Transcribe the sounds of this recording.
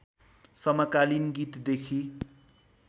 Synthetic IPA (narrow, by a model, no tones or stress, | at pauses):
sʌmakalinɡit̪d̪ekʰi